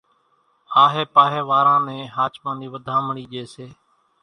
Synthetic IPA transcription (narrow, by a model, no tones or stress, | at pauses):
aːɦeːpaːɦeːʋaːɾãːnẽːɦaːt͡ʃpãːnd̪iːʋəd̪ʱãːməɳiːd͡ʒeːseː